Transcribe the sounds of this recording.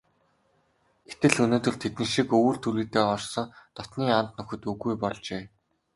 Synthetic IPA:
ɡe̥t̪ɘ̆ɮɵnoːt̪ɵ̆ɮt̪ʰet̪nɘ̆ʃikɵːr̥t̪ʰuɾiːt̪eːɔrsɞ̆ŋt̪ɔt̪niːan̥t̪nɵxɵ̆t̪ɵɣujpɔɮt͡ɕeː

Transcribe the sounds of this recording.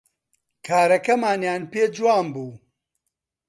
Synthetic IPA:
kʰaːɾɐkɐmaːnjaːnpeːd͡ʒuwaːmbuː

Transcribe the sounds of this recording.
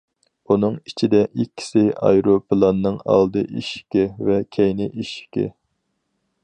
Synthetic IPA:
unɨŋit͡ʃʰid̪ɛʔikʲʰːi̥sɪɑ̰jɾopʰɨlˠɑnːɨŋɑ̰lˠd̪ɨʔiʃkʲɪvɛkʲʰɛjnɪʔiʃkʲɪ̰

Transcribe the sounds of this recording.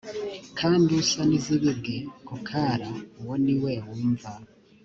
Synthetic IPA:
kʰaːndiusaniziβiɡekukʰaɾawoniwewiːɱva

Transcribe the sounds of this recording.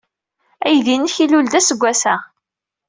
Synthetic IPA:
æjðinəçiluld̪æsəɡʷːæsæ

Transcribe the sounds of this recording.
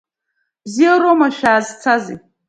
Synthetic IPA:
b̥zijaɾomaʃᶣaːzt͡sʰazḭ

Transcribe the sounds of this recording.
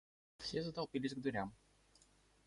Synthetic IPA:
fsʲezət̪ɐlˠpʲilʲɪsʲɡd̪vʊɾʲam

